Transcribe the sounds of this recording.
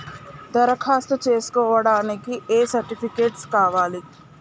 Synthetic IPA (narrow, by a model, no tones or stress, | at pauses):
d̪ɐɾɐkʰaːst̪ut͡ʃeːskɔːʋɐɽaːnikieːsɐɾʈipʰikeːʈskaːʋaːli